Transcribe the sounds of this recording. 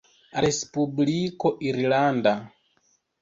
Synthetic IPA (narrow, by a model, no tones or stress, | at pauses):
ɾespublikɔʔiɾilanda